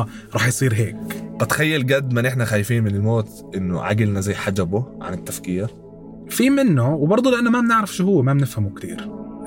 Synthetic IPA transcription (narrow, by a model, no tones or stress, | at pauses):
ɾˤɑːħjsˤiːɾɦḛːkbat̪xajːalɡad̪manʔɪħnaxaːjfiːnmɪnɪlmoːt̪ | ʔɪnːʊ̰ʕa̰ɡɪlnazajːħad͡ʒabʊʕa̰nɪt̪ːafkiːɾ | fiːmɪnːʊwbɑɾˤd̪ˤulɪʔanːʊmabnɪʕɾafʃɪɦʊwːemabnɪfhamʊkt̪ḭːɾ